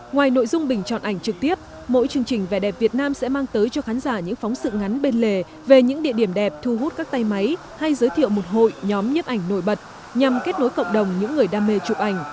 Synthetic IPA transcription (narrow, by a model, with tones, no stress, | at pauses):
ŋwaː˨˩jno̰˧˨jzʊ˧ŋ͡mɓï˨˩ŋ̟t͡ɕɔ̰˧˨nʔa˨˧˩jŋ̟t͡ɕɨ˨˩k̚t̪i˦˥əp̚ | mo̰˧˥jt͡ɕɨ˧˩əŋt͡ɕï˨˩ŋ̟va˨˩ɗɛ˨˩p̚vi˨˩ət̚naː˧msɛ̰˧˥maː˧ŋt̪əː˨˦jt͡ɕɔ˧xaː˨˦nzaː˧˩ɲɨ̰˧˥ŋfɔ˨˦wŋ͡msɨ̰˧˨ŋa˨˦nɓe˧nle˨˩ | ve˨˩ɲɨ̰˧˥ŋɗḭ˧˨əɗi˧˩əmɗɛ˨˩p̚t̪ʰu˧ɦu˦˥t̚kaː˦˥k̚t̪a˧jma˨˦j | ha˧jzəː˨˦jt̪ʰḭ˧˨əwmo˨˩t̚ɦo̰˧˨jɲɔ˨˦mɲə˦˥p̚ʔa˧˩jŋ̟no˧˩jɓə˨˩t̚ | ɲa˨˩mke˦˥t̚no˨˦jkə̰˧˨ŋ͡mɗə˨˩wŋ͡mɲɨ̰˧˥ŋːɨ˨˩əjɗaː˧me˧t͡ɕu˨˩p̚ʔa˧˩jŋ̟